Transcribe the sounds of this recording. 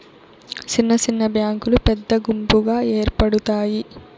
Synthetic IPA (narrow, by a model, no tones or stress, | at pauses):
t͡ʃinːɐt͡ʃinːɐbjaːŋkulupɛd̪ːɐɡumpuɡaːeːɾpɐɽut̪aːji